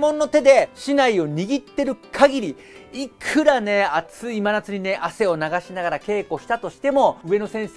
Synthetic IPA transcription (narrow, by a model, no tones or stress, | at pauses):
mõ̞nːo̞t̪e̞d̪e̞ɕinaio̞ɲ̟iɡʲit̪ːe̞ɾɯ̟kʰaɡʲiɾʲi | ikʰɯ̟ɾane̞at͡sɨimanat͡sɨɲ̟ine̞ʔase̞o̞naɡaɕinaɡaɾake̞ːko̞ɕi̥t̪at̪o̞ɕi̥t̪e̞mo̞ɯ̟e̞no̞sẽ̞ɰ̃s